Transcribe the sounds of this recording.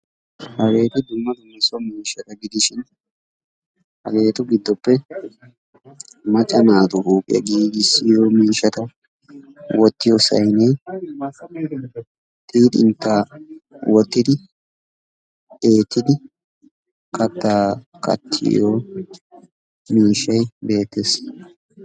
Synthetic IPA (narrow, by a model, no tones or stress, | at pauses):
hɐɡe̞ːt̪ɪd̪ʊmːɐd̪ʊmɪsɔmiːʃɐt̪ɐɡɪd̪ɪʃɪn | hɐ̰ɡe̞ːt̪ʊɡɪd̪ːɔpːɛ | mɐt͡ʃʼːɐnaːt̪ʊɾuːpʼɪ̰jɐ̰ɡiːɡɪsːɪjoːmiːʃɐt̪ɐ | wɔt̪ːɪjɔsɐ̰jneː | t̪ʼiːt̪ʼɪ̰nt̪ːaːwɔt̪ːɪd̪ɪ | eːt̪ːɪd̪ɪ | kʰɐt̪ːaː | kɐ̰t̪ʰːɪ̰joː | miːʃːɐjbe̞ːt̪ːes